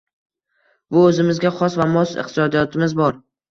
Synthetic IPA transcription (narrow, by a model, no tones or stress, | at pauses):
bʊɵzɪmɪzɡʲaχɒsvamɒsɨ̰qt̪ʰɪsɒd̪ijɒt̪ʰɪmɪzbɒɾ